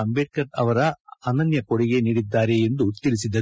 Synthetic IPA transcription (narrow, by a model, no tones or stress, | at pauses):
ɐmbeʈ̚kɐʈɐʋɐɾɐɐnɐnjɐkoɽiɡe̞niːɽid̪ːaːɾeend̪ut̪ilis̬id̪ːɐ